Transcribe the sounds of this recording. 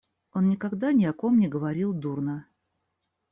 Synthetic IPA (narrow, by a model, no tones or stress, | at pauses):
o̞nːʲɪkaɡd̪anʲɪɐko̞mnʲɪɡəvɐɾʲilˠd̪urnə